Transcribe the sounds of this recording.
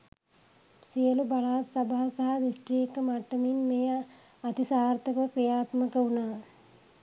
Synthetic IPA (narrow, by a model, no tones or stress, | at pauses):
sijəlubaɭaːsɐbaɦasaɦɐdisʈriːekːəmaʈːəminmeː | at̪isaːrt̪əkʋəkrijaːt̪məkəunaː